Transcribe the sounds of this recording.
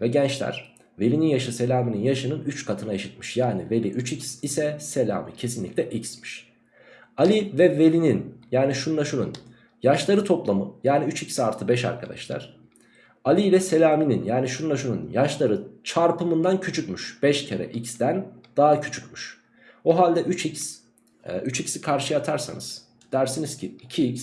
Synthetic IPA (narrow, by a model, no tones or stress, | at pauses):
vɛɟɛnt͡ʃlʲæ̰ɾ̥ | ve̞lʲininjaʃɯse̞lʲaːmininjaʃɯnɯnyt͡ʃkʰat̪ʰɯnaeʃit̪̚miʃjaːnive̞lʲiʔyt͡ʃicsisɛse̞lʲa̰ːmḭcʰe̞sinlʲḭclʲɛʔicsmi̥ʃ | alʲivɛve̞lʲininjaːniʃunlˠaʃunṵn | jaʃlˠaɾɯt̪ʰo̞plˠamɯjaːniyt͡ʃicsiaɾt̪ʰɯbɛʃa̰ɾkʰad̪a̰ʃlˠa̰ɾ̥ | alʲiilʲɛse̞lʲaːmininjaːniʃunlˠaʃunṵnjaʃlˠaɾɯt͡ʃʰaɾpɯmɯnd̪ancʰyt͡ʃʰycmyʃb̥ɛʃcʰeɾɛ̰ʔicsd̪ænd̪̥aɦacʰy̥t͡ʃʰycmyʃ | oɦalʲd̪ɛʔyt͡ʃics | ɛyt͡ʃicsikʰaɾʃɯjat̪ʰaɾsa̰nɯ̰z̥ | d̪̥æɾsinizcʰiicʰiics